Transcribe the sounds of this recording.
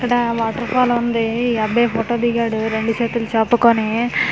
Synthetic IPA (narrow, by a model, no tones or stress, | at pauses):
kːɐɽɐʋaːʈːɐɾpʰaːlund̪iɐbeːpʰoːʈoːd̪iɡaːɽuɾe̞ɳɖut͡ʃeːt̪ulut͡ʃaːpːukoni